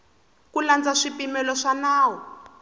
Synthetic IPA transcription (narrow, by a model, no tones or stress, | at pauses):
kuland͡zaʂipimɛlɔʂanaːwɔ